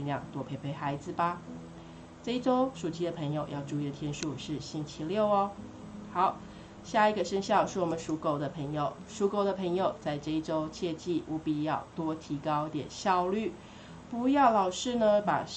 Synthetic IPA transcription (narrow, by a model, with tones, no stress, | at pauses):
nljɑ˨˩ŋt̪wɔ˧˥pʰe˧˥ɪpʰe˧˥ɪxa˧˥ɪd͡z̩˧ba˨ | ʈ͡ʂɤ˥˧i˥˩ʈ͡ʂo˥ʊʂu˨˩t͡ɕʰi˥d̪ə˨pʰə˧˥ŋjo˨˩ʊjɑ˥˧ʊʈ͡ʂu˥˧i˥də˨t̪ʰjɛ˥nʂu˥˧ʂɻ̩˥˩ɕi˥nt͡ɕʰi˥ljo˥˩ʊɔ˨ | xɑ˨˩˦ʊ | ɕja˥˩i˧˥ɡə˨ʂə˥ŋɕjɑ˥˧ʊʂɻ̩˥˩wɔ˨˩mə˦nʂu˧˥ko˨˩ʊd̪ə˨pʰə˧˥ŋjo˨˩ʊʂu˧˥ko˨˩ʊd̪ə˨pʰə˧˥ŋjo˨ʊt͡sa˥˧ɪʈ͡ʂɤ˥˧i˥˩ʈ͡ʂo˥ʊt͡ɕʰjɛ˥˧t͡ɕi˥˩ʔu˧˥pi˨˩jɑ˥˩ʊt̪wɔ˥t̪ʰi˧˥kɑ˥ʊ˧t̪jɛ̰˨˩nɕjɑ˥˧ʊly˥˩ | pu˧˥jɑ˥˩ʊlɑ˨˩ʊʂɻ̩˥˩nə˧pa̰˨˩